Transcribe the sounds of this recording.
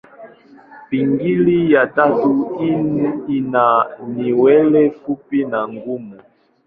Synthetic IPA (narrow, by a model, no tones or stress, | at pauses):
piŋɡilijatatuiinaniwɛlɛfupinaŋɡumu